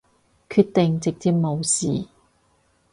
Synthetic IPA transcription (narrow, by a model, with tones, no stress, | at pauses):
kʰyː˧t̚t̪ɪ˨ŋt͡sɪ˨k̚t͡siː˧˥p̚mo˨˧wsḭː˨˩